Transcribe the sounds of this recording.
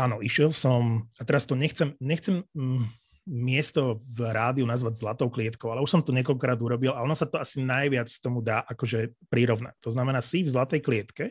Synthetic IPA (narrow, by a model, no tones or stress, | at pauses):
aːnɔiʃɛlsɔmat̪ɛɾast̪ɔɲɛxt͡sɛmɲɛxt͡sɛm | ɪɛst̪ɔvɾaːd̪iunazʋaɟzlat̪ɔʊklɪɛt̪kɔʊalɛuʃsɔmt̪ɔɲɛkɔlkɔkɾaːd̪uɾɔbilʔaɔnɔsat̪ɔasinajʋɪat͡st̪ɔmud̪aːʔakɔʒɛpɾiɾɔʋna̰c̚t̪ɔznamɛnaːsivzlat̪ɛjklɪɛt̪kɛ